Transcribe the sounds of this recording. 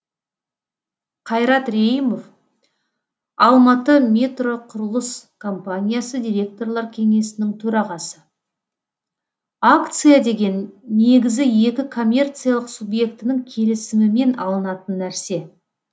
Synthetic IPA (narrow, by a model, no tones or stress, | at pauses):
qʰɑjɾɑt̪rʲejimo̞f | ɑlˠmɑt̪əmʲe̞t̪ro̞qʰʊɾəlˠəskʰo̞mpanʲijasəd̪ʲijɾʲe̞k̚t̪o̞rlˠɑɾkʲʰe̞ŋe̞sɪnɪŋt̪ʰɵɾɑʁɑsə | akt̪sɨjad̪e̞ɡʲe̞nːe̞ɡʲɪzɪje̞kʲɪkʰo̞mʲːe̞rt̪sɨijalˠəqsubje̞kt̪ɪnɪŋkʲʰe̞lɪsɪmɪme̞nɑ̰lˠənɑt̪ənːæɾse̞